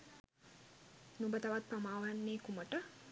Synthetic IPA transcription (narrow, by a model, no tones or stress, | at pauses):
numbət̪aʋat̪̚pamaːʋanːeːkuməʈə